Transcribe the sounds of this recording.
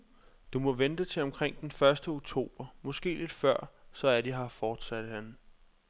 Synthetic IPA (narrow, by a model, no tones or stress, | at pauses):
d̥umɒ̽ʋend̥ət͡sʰe̝ɒ̽mkʰʁeŋ̰d̥enfɶɐsd̥əo̝ɡ̥̚t͡sʰo̝̰ːb̥ɐmɒ̽sɡ̥e̝̰ːle̝d̥fɶɐ̰sɒ̽æɐd̥iɦɑ̈fɒːd̥sæd̥əhæn